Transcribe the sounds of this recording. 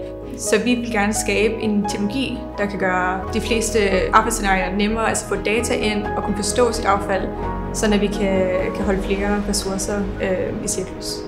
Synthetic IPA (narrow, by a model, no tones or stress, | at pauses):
sɒ̽ʋiʋe̝lɡ̥æɐnəsɡ̥ɛːb̥əʔe̝nt͡sʰeɡnoloɡ̥ḭː | d̥ɑ̈kʰæɡ̥ɶːɐd̥ifle̝̰ːsd̥əʔɑ̈ːb̥ɑ̈ɪdse̝nɑ̈ːiɐnemɐːælsə̥fʰɔ̽d̥ɛːt͡sʰæʔe̝n̰ɒ̽kʰunəfɒ̽sd̥ɔ̰̽ːsid̥ɑ̈ʊfæl̰ | sɒ̽n̩æʋikʰækʰæɦɒ̽ləfle̝ːɐʁɛsuɐsɐøisiɐkʰlus